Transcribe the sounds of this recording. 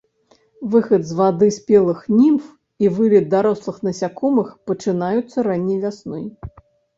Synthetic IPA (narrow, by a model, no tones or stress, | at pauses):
vɨxɐd̪zvad̪ɨsʲpʲɛlˠɨxnʲimf | ivɨlʲɛd̪̚d̪aɾɔslˠɨxnɐsʲakɔmɨxpɐt͡ʂɨnajut̪sːɐɾanʲːɛjvʲasnɔj